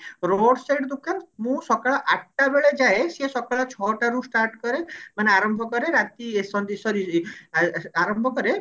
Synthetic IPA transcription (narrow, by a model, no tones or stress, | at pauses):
ɾoɽseʈd̪ukanmũsɔkaɭɔʔaʈ̚ʰʈabeɭed͡ʒaesesɔkaɭɔt͡ʃʰɔʈaɾusʈaɾʈkɔɾemaneaɾɔmbʱɔkɔɾeɾat̪isɔnd̪isɔɾi | aɾɔmbʱɔkɔɾe